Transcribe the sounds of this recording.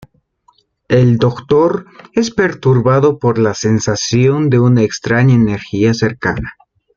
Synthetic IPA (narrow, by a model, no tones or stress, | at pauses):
e̞ld̪o̞kt̪o̞ɾe̞spe̞ɾt̪uɾβaðo̞po̞ɾlase̞nsasjo̞nd̪e̞unaekst̪ɾaɲaene̞ɾxiase̞ɾka̰na